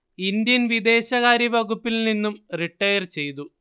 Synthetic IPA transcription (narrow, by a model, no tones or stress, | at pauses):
ind̪jɐnʋid̪e̞ːɕɐɣaːɾjɐbɐɣupːilninːumriʈːɐjɐrt͡ɕe̞jt̪̬u